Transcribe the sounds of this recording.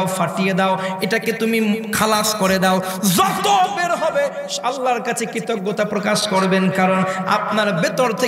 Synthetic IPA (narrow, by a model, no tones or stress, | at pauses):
faʈijed̪aoeʈaket̪umikʰalaskoɾed̪ao | zɔt̪obeɾɦɔbe | ʃalːaɾkat͡ɕʰekɾit̪oɡːot̪apɾokaʃkoɾbenkaɾona̰p̚naɾbet̪oɾt̪ʰe